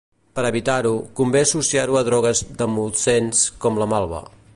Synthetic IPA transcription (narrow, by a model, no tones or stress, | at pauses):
pəɾəβit̪aɾukumbesusiaɾuəðɾɔɣ̞əzðəmulˠt̪senskɔmləmalˠβə̰